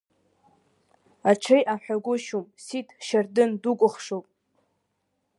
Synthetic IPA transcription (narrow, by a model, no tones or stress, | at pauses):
aʈ͡ʂʰejʔaħʷᶣaɡʷʊʃumsitʰʃardɨndukʷʼʊχʂowpʼ